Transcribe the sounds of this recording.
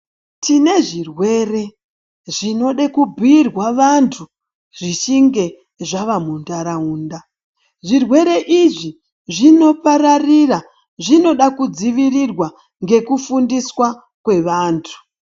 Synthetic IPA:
tine̞ʐirwe̞re̞ | ʐino̞ɗekubʱiːrwaʋantʰu | ʐ̥it͡ʃiŋɡe̞ | ʐaʋamundaɾauːnda | ʐirwe̞ɾe̞ʔiʐi | ʐino̞paɾarira | ʐino̞ɗakud͡ziʋirirwa | ŋɡe̞kufundiswa | kwe̞ʋaːntʰu̥

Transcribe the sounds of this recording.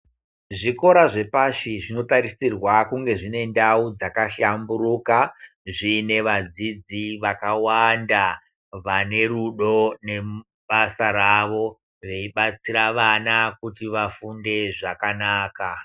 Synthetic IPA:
ʐiko̞ɾaʐe̞paʃiʐino̞taɾisirwakuŋɡe̞ʐine̞ndaud͡zakaɬamburuːka | ʐine̞ʋad͡zid͡ziʋakawanda | ʋane̞ruɗo̞ne̞ | ɓasaraʋo̞ | ʋe̞iɓat͡siɾaʋanakutiʋafunde̞ʐakanaːka

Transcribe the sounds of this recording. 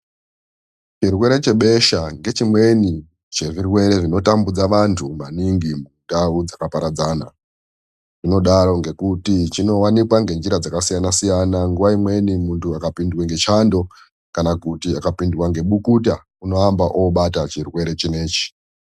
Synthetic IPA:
t͡ʃirwe̞ɾe̞t͡ʃe̞ɓe̞ʃaŋɡe̞t͡ʃimwe̞ni | t͡ʃeʐirwe̞ɾe̞ʐino̞tambud͡zaʋantʰumaniŋɡimundaud͡zakapaɾad͡zaːna̰ | ʐ̥ino̞ɗaɾo̞ŋɡe̞kutit͡ʃino̞wanikwaŋɡe̞nd͡ʒiɾad͡zakasijanasijanaŋɡuʋaimwe̞nimuntʰuakapindweŋɡe̞t͡ʃando̞ | kanakutiakapindwaŋɡe̞ɓukut̬a | uno̞ambaʔoɓatat͡ʃirwe̞ɾe̞t͡ʃine̞ːt͡ʃi̥

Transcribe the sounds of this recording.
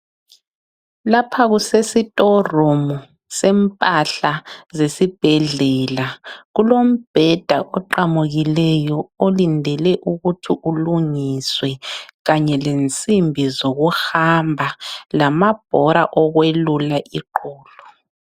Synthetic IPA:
lapʰaɣusesitʼɔromɔ | sɛmpʼaɬazesib̥ʱɛɮɛlaɣulom̩b̥ʱɛd̥ʱaʔɔǃamuɣilɛjɔolindʱɛlɛʔuɣutʰiʔuluŋiswɛɣaɲɛlent͡sʼimbʱizoɣuhambʱalamab̥ʱɔɾaʔɔɣwelulaʔiǃɔːlɔ

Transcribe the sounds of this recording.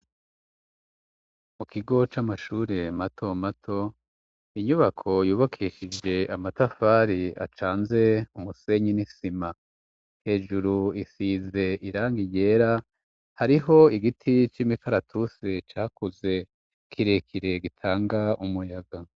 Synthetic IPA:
mukiɡo̞t͡ʃamaʃuːɾe̞matʰo̞matʰo̞ | iɲuβakʰo̞juːβakʰiʃid͡ʒe̞amatafaːɾia̰t͡ʃaːnze̞umuse̞ɲinisima | he̞ːʒuɾuisiːze̞iɾaːŋɡiɟe̞ːɾa | haɾiɦo̞iɡitʰit͡ʃimikaɾatʰuset͡ʃaːkuze̞ | kʰiɾe̞kʰiɾe̞ɡitʰaːŋɡaumujaɡa

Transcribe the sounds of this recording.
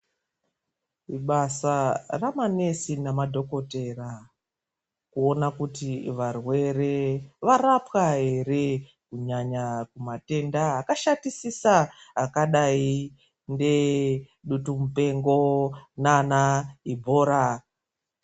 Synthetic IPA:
iɓasaramane̞sinamadʱo̞ko̞te̞ra | kuo̞nakutiʋarwe̞re̞ʋarapwaɦe̞re̞ | kuɲaɲakumate̞ndaːkaʃatisisaːkaɗai | nde̞ | ɗutumupe̞ŋɡo̞nanaibʱo̞ːɾa

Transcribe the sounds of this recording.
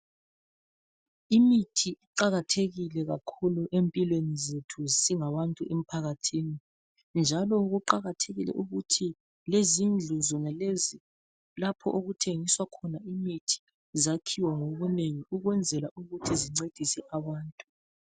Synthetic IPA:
imitʰiiǃaɣatʰeɣilɛɣakʰuluʔempʼilwenizetʰuzsiŋaβantʼuʔem̩pʰaɣatʰini | nd͡ʒʱalɔuɣuǃaɣatʰeɣilɛ̰ʔuɣutʰi | lezind͡ɮʱuzɔŋɛlezi | lapʰɔʔoɣutʰeŋiswakʰɔnaimitʰi̥ | zakʰiwaŋoβuneŋiuɣwɛnd͡zʱɛlaʔuɣutʰiziŋ͡ǀed̥ʱisɛʔaβaːntʼu

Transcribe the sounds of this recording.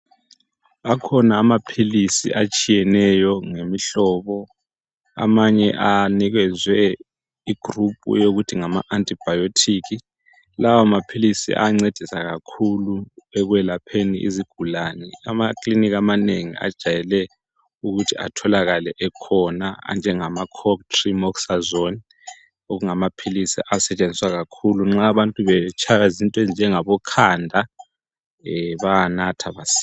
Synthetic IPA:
akʰɔnaːmapʰilisḭʔat͡ʃʼijɛnɛjɔŋemiɬɔːβɔ | a̰maɲɛʔaniɣɛzwɛ | iɡ̥ʱrupʼṵjoɣutʰiŋama̰ʔantʼib̥ʱajotʰiːk̬i | lawamapʰilisḭʔa̰ŋ͡ǀed̥ʱisaɣakʰuluɛɣwɛlapʰeniʔḭziɡ̥ʱulanɛamakʼlinik̬ʼamaneŋḭa̰d̥ʒ̥ʱajɛlɛ | uɣutʰia̰tʰɔlaɣalɛʔɛkʰɔnaa̰nd͡ʒʱɛŋamakʰɔktʰʼrimɔksazon | oɣuŋamapʰilisḭʔasɛt͡ʃʼend͡zʱiswaɣakʰuluŋ͡ǁaːβantʼuβɛt͡ʃʰajazintʼwɛnd͡ʒʱɛŋaβɔkʰandʱa | βaanatʰaβasi̥

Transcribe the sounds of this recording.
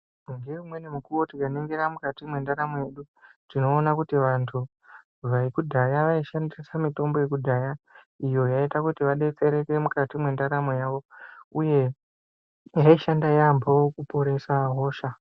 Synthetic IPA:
uŋɡeumwe̞nemukuwo̞tikaneŋɡeɾamukatimwe̞ndaɾamoje̞ɗu | tino̞ːnakutiʋantʰu | ʋaikudʱajaʋaiʃandisamito̞mbo̞jekudʱaja | ijo̞jaitakutiʋaɗet͡seɾe̞kemukatimwe̞ndaɾamojaːʋo̞uje̞ | jaiʃandajambaokupo̞ɾe̞saɦo̞ːʃa

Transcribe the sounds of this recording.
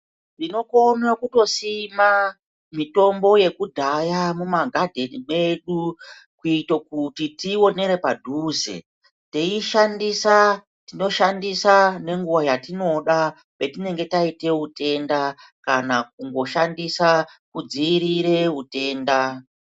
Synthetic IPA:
tino̞ko̞nakuto̞sima | mito̞mbo̞je̞kudʱajamumaɡʱadʱe̞time̞ɗu | kuitokutitio̞ne̞ɾe̞padʱuːzḛ | teiʃandisa | tino̞ʃandisane̞ŋɡuʋajatino̞ɗa | pe̞tine̞ŋɡe̞taite̞ute̞nda | kanak̚uŋɡo̞ʃandisakud͡ziːɾiɾe̞ute̞ːnda

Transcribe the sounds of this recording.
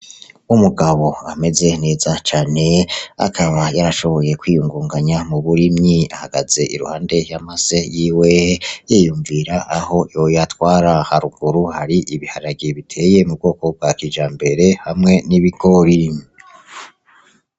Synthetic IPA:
umuɡaβo̞ame̞ze̞ne̞ːzat͡ʃaːne̞a̰kʰaβajaɾaʃo̞βo̞je̞kwiːjuŋɡuːŋɡaɲamuβuɾimɲia̰haɡaze̞ʔḭɾṵhaːnde̞jamasejiːwejejuɱviɾaʔaho̞jojatwaːɾahaɾuɡ̥uɾuhaɾiʔiβihaɾaɡiβitʰe̞ːje̞mub̚ɡo̞ːko̞b̚ɡakid͡ʒaːmbe̞ɾe̞hamŋe̞niβiɡo̞ɾiɲi

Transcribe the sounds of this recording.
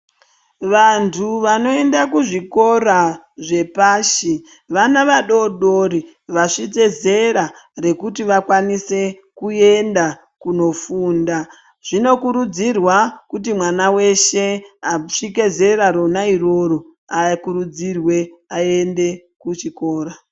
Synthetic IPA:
ʋantʰuʋano̞e̞ndakuʐiko̞ra | ʐe̞paːʃi | ʋanaʋaɗo̞ɗoɾi | ʋaʂit͡se̞ze̞ɾare̞kutiʋakwanise̞ | kue̞nda | kuno̞fuːnda | ʐ̥ino̞kuɾud͡zirwakut̬imwanawe̞ʃe̞aʂike̞ze̞ɾaɾonairo̞ro | akuɾud͡zirwe̞aende̞ | kut͡ʃiko̞ːɾa

